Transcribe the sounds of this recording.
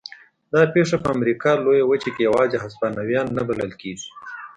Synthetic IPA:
d̪ɑpeʂapəamɾikɑlojawət͡ʃekejawɑzeɦaspanawjɑnːabaləlkeɡi̥

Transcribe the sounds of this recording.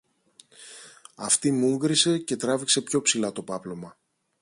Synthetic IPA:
ɐft̪imuŋɡɾise̞ce̞t̪ɾɐvikse̞pço̞psilɐt̪o̞pɐplo̞mɐ

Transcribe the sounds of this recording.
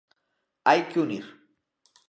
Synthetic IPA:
ajkʊnɪɾ

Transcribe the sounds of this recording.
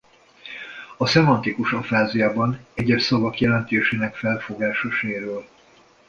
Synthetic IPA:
ɒsɛmɒnt̪ikuʃɒfaːzijaːbɒnɛɟɛʃsɒvɒkjɛlɛnt̪eːʃeːnɛkfɛlfo̞ɡaːʃoʃeːɾøːl

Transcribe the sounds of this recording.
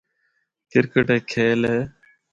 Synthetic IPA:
kɪɾkəʈeːkʰeːleː

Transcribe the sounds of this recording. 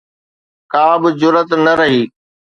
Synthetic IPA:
kaːbɪzʊɾət̪nɐɾɐɦiː

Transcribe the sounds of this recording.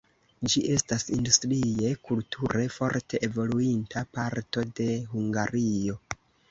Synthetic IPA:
d͡ʒiʔe̞stasindustɾie̞kultʰuɾe̞fo̞ɾtʰe̞ʔevo̞luintʰapaɾto̞de̞ɦuŋɡaɾio̞

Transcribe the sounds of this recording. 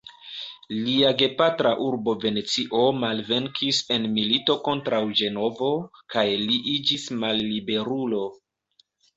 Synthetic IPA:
liaɡe̞patɾaʔuɾbo̞ve̞ne̞t͡siʔo̞malve̞ŋkʰise̞nmilito̞ko̞ntɾawd͡ʒe̞no̞vo̞kajliʔid͡ʒismalːibe̞ɾulo̞

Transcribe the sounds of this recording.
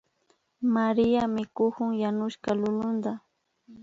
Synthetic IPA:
maɾɪjamɪkʊhʊŋjanʊʃkalʊlʊnd̪a

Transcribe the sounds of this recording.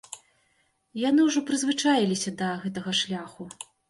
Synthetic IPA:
janɨwʐɔpɾɨzvɨt͡ʂajilʲisʲɐd̪ɐɣɛt̪ɐɣɐʂlʲaxu

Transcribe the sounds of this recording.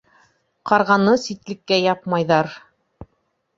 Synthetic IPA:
qɑɾʁɑnɤsit̪lɘ̆kːæjɑp̚mɑjðɑɾ

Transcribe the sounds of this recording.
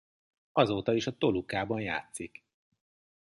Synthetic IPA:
ɒzoːt̪ɒiʃɒt̪o̞lukaːbɒnja̰ːt̪sik

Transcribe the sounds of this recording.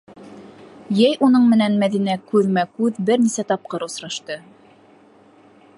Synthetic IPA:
jæjʔunɤɴmɘ̆nænmæðinækʉðmækʉðbɘɾnisæt̪ɑp̚qɤɾŏsɾɑʃt̪ɤ

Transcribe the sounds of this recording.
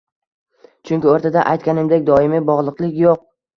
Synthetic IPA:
t͡ʃʰʊŋʲkʲɪoɾt̪ʰad̪aʔa̰jt̪̚kʲanɪmd̪e̞k̚ʲd̪ɒɪmibɒʁlˠɨqlˠɪkʲjoq̚

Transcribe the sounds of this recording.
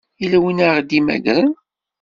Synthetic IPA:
ilæwinaʁd̪imæ̰ɡɾən

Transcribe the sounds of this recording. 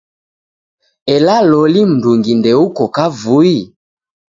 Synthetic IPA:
ɛlalɔlim̩duŋɡindɛukɔkavui

